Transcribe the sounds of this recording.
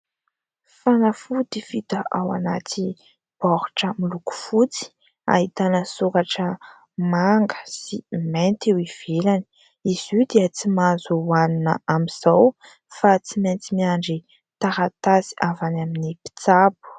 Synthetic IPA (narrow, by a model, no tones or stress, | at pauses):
fanəfud̪ifit̪əʔawa̰nat̪ʰi | b̥ɔɾu̥ʈ͡ʂəmiluku̥fut͡si̥ | a̰ɦit̪anəsukaʈ͡ʂə | maŋɡə̥siment̪ewiv̥elani̥ | iz̥id̪eət͡simazuwaninəamiz̥aw | fat͡siment͡simiaɳɖ͡ʐi | t̪aɾat̪azi̥ʔavanaminipi̥t͡sapu̥